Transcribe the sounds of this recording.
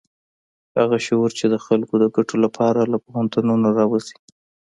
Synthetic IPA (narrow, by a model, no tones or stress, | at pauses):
haɣaʃoɾt͡ʃed̪əxalkod̪əɡaʈolapʰɑɾalapoɣant̪ənonaɾɑwazi̥